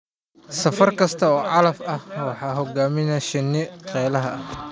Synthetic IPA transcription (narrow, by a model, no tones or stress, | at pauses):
sɐfɐrkʰɐst̪ʰɐɔːʕɑlɐfɐhwɑħɑːɦɔɡaːmɪnɐʃɪnːɪqɛːlɐɦɐ